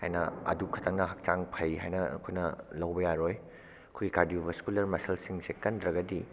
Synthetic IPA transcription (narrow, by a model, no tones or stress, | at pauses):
hajnɐ̰ɐ̰dukʰɐtʰɐŋnɐɦɐk̚t͡ʃaŋpʰɐjɦajnɐkʰojnɐlɐwbɐjaɾoj | ɐkʰojɡikaɾdiobʱɐskulɐɾmɐsɐlsiŋsekɐndɾɐɡɐdi